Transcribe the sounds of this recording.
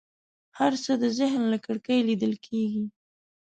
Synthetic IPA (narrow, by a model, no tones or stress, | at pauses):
haɾsəd̪əzɪɦnlakəɽkajlid̪əlkʰeɡi